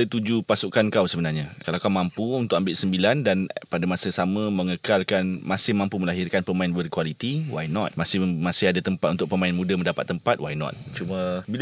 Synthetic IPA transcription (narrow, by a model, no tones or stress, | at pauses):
ət̪ud͡ʒupasukankawsəbənarɲakalawkawmampuunt̪ʊk̚ambɪlʔsəmbilandanpadamasəsamə̃mə̃ŋəkalkanmasɪhmãmpuməlaɦirkanpəmaɪnbərkwalit̪iwajnɔt̪̚masɪhmasɪhadat̪əmpat̪unt̪ʊʔ̚pəmãɪnmũdəməndapa̰t̪ːəmpat̪̚wajnɔ̰t̪̚t͡ʃumə̃bil